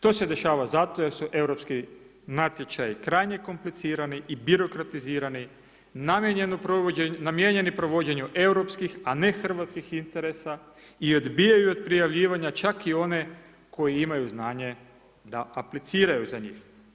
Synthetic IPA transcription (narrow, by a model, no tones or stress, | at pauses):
ʃt̪o̞se̞d̪e̞ʃaːʋazat̪o̞je̞ɾsuʔe̞wɾo̞pski | nat̪je̞t͡ʃajikɾajɲe̞ko̞mplit̪siːɾaniʔibiɾo̞kɾat̪iziːɾani | namjeɲenupɾoenamjeɲe̞nipɾo̞ʋo̞d͡ʑe̞ɲuʔe̞wɾo̞pskixane̞xr̩ʋat̪skixint̪e̞ɾesa | io̞d̪bijajuo̞d̪̚pɾijaʋʎiːʋaɲat͡ʃakio̞ne̞ | kʰo̞jiimajuznaːɲe̞ | d̪aːplit̪siːɾajuzaɲḭːx